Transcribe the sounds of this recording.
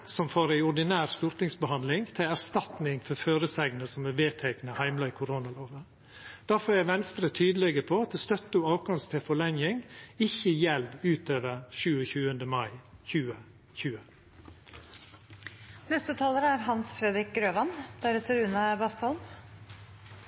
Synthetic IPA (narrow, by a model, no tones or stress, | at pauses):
sɔmfoːɾæɪʊɖɪnæːɾst̪uːɾt̪ɪŋsbəhɑnd̪lɪŋt̪ʰɪlæɾst̪ɑt̪nɪŋfɔɾføːɾəsæɡnəsɔmæʋeːt̪ʰæɪknəhæɪmlɑiːkʰʊɾoːnɑloːʋə | d̪̥æɾfɔɾæʋɛnst̪ɾət̪ʰyːd̪əlɛɡəpʰoɑt̪̚d̪ɛst̪œt̪ːəʊɑːʋkɑŋst̪ʰɪfɔɭɛŋjɪŋɪçəjɛlʋʉːt̪øːʋəɾʃʉːəçʉːənd̪əmɑɪçʉːə | çʉːə | nɛst̪ət̪ʰɑːləɾæɾɦɑnsfɾɛd̪ɾɪk̚ɡɾøːʋɑnd̪̥æɾɛt̪ːəɾʉːnɑbɑst̪ɑlm